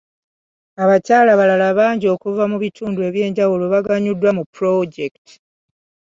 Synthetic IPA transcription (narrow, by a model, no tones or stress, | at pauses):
aβacaːlaβalalaβaːɲɟio̞kuvamuβitʰuːndue̞βje̞ːɲɟawulo̞βaɡaɲudːwamupɾo̞ɟekti̥